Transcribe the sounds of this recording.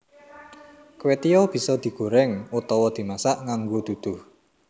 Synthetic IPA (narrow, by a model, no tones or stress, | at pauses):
kwet̪ijɔb̥i̤sɔd̪̥i̤ɡ̥o̤ɾɛŋut̪ɔwɔd̪̥i̤masaʔŋaŋɡod̪̥ṳd̪̥ʊh